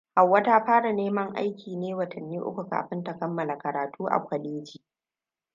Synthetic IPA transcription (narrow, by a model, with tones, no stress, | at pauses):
ha˨wːɐ˦ta˦ɸaː˦ɽa˨neː˦mɐ˦ŋʔa̰˦jkʲʰiː˨neː˦wɐ˨tʰɐ˨nːiː˦ʔʊ̰˦kʷu˨ka̰ː˨ɸɪ˦nta˨kɐ˦mːɐ˨la˨kɐ˨ɾaː˨tʰuː˦ʔa̰˨kʷɐ˨ɗeː˦d͡ʒiː˨